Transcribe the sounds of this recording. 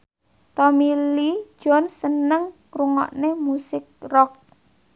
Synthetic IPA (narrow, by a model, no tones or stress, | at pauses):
t̪ɔmili̥ʒ̥ɔ̤nsənəŋ | ruŋɔ̰ʔnemusɪk̚rɔk̚